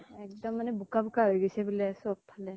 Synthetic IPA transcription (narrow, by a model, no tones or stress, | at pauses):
ɛk̚d̪ɔmːanɛbukabukaɦojɡɔjsɛbulɛsɔbpʰalɛ